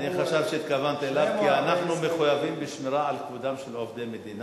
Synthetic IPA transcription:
niχaʃavʃeit̪kavant̪elavkianaχnumeχujavimbiʃmiɾaʕalkvud̪amʃelovd̪emed̪ina

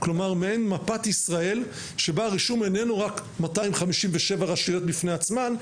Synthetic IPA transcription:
klo̞maʁmeenmapat̪isʁae̞l | ʃe̞baʁiʃume̞ne̞nuʁakmataimχamiʃimveʃe̞vaʁaʃijo̞t̚bifne̞at͡sman

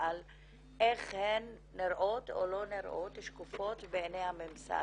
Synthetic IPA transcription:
al | ʔeχhenːiɾʔoto̰lo̞niɾʔot̪hiʃkufo̞tbeːnejhamemsa̰

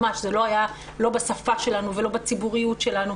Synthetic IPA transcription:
aʃzelo̞aja | lo̞basafaʃe̞lanuve̞lo̞bat͡sibuʁijutʃe̞lanu

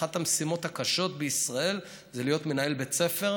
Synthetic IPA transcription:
at̪hamesimo̞t̪hakaʃo̞t̪̚beisʁae̞l | zelijo̞tme̞naelbet͡se̞fe̞ʁ

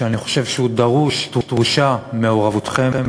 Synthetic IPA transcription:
eaniχo̞̥ʃe̞vʃeud̪aʁuʃt̪ʁut̪ʁuʃameoʁavut̪χem

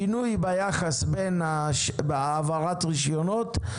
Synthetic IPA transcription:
inujbajaχasbenaʃbaːvaʁatʁiʃjonot

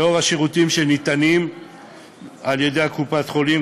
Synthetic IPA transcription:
o̞ʁhaʃeʁutimʃenit̪anim | alje̞de̞jakupat̪χo̞li

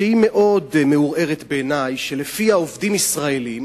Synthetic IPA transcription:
ehime̞ʔo̞dmeuʁe̞ʁet̪beːnajʃelefihaovdimisʁae̞lim

